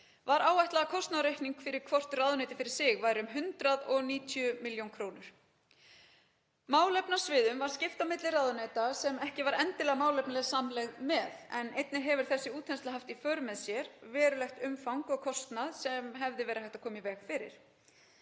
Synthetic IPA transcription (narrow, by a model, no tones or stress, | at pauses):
vaɾaːwvajht̪laɣakʰɔst̪naðɾejhk̪niŋkfɪɾɪɾ̥kʰvɔr̥t̪raːðʏneːt̪ɪfɪɾɪ̥ɾ̥sɪɣvaːjɾɪʏmɦʏnt̪ɾaðɔɣniːt̪ʰjʏmɪljownkʰɾoːwnʏɾ̥ | maːwlɛpnasvɪːðʏmvaɾ̥scɪft̪awmɪt̪lɪraːðʏnɛːt̪asɛmɛhcɪvaɾɛnt̪ɪlɛːɣamaːwlɛpnalɛɣsamlɛɣðmɛðɛnejt̪nɪɾɦɛvɪɾ̥θɛsːɪuːt̪ʰɛnst̪aɦaft̪ifœːɾʏmːɛðsjɛɾvɛːɾʏlɛxt̪ʏmfawŋkɔɣkʰɔst̪naðsɛmɦɛvðɪvɛːɾahajht̪akʰɔːmivɛːɣfɪɾɪ̰ɾ̥